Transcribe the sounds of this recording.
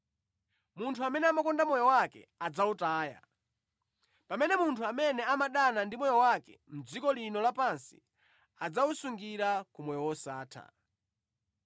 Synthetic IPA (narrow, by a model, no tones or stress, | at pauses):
muntʰuamɛnɛamakɔndamɔjɔwakɛ̰ad͡zautaːja̰ | pamɛnɛmuntʰuamɛnɛamaɗanandimɔjɔwakɛ̰m̩d͡zikɔlinɔlapansi̥̰ | ad͡zausuŋɡiɾakumɔjɔwɔsaːtʰa̰